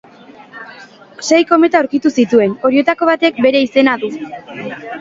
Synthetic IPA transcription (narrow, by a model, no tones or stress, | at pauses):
se̞jko̞me̞t̪auɾkit̪usit̪ue̞no̞ɾie̞t̪ako̞β̞at̪e̞k̚be̞ɾe̞ise̞naðu